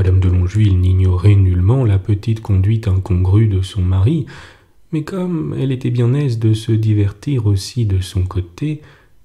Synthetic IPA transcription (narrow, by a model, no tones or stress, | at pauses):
mad̪amd̪əlɔ̃ʒwilniɲjɔʁɛnylmɑ̃lapət̪it̪kɔ̃d̪ɥit̪ɛ̃kɔ̃ɡʁyd̪əsɔ̃maʁi | mɛkʰɔmɛlet̪ɛbjɛ̃nɛzd̪əsəd̪ivɛʁt̪iʁosid̪əsɔ̃kot̪e